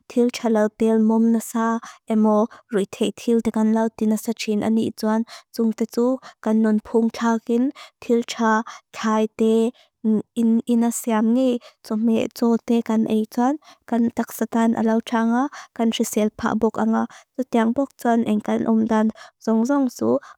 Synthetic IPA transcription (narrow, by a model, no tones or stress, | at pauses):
t̪ʰiltʰalɐwt̪ɛlmɔmnasaʔɛmɔrujt̪ʰɛjt̪ʰilt̪ɛkɐnlɐwt̪inasat͡ʃʰinʔɐ̰nḭʔt͡suant͡sʊŋt̪ɛt͡sukɐnːʊnpʰuŋt͡ɬʰaːkɪnt̪ʰiltʰakʰaːjt̪ɛ | ninasiamŋejt͡sɔmɛʔt͡sɔt̪ɛkɐnʔɛjt͡sɔnkɐnt̪ak̚sat̪anʔa̰lɐwtʰaŋakɐnrisɛlpʰa̰ʔbɔk̚ʔaŋat͡sut̪iaŋbɔk̚t͡suanʔɛŋkɐnʔʊ̰mdanzɔŋzɔŋt͡su